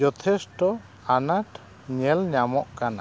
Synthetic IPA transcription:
ɔt̪ʰɛsʈɔ | anaʈ | ɲɛlɲamɔʔkana

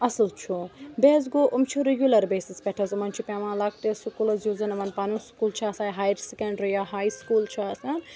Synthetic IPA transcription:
ɐslt͡ʃʰubeːzɡoːʔumt͡ʃʰuɾeɡʲjulɐɾbeːsispɛʈʰɐzɐmɐnt͡ʃʰupʲeʋãːlak̚ʈ̪esukulɐzjuzɐnɐmɐnpanũskuːlt͡ʃʰɐɐsaːjɦaːjɾsekɐɳɖɾijaɦaːjskuːlt͡ʃʰiɐsɐn

